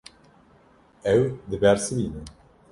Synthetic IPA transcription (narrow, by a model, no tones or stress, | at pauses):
ɛwd̪ɨbɛɾsɨbiːnɨ